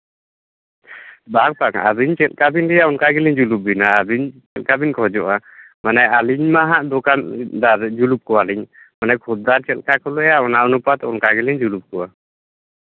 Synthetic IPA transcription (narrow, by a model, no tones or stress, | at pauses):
bak̚paŋa̰ziɲt͡ʃɛlkabinɡɛjaɔnkaɡiliɲd͡ʒulup̚binaːziɲt͡ʃɛlkabinkʰɔd͡ʒɔʔa | manɛaliɲmaɦaʔdɔkandaɾd͡ʒulup̚kɔwaliɲ | manɛkʰɔt̚d̪aɾt͡ʃɛlkakʰɔlɔjaɔnaɔnupat̪ɔnkaɡiliɲd͡ʒulup̚kɔwa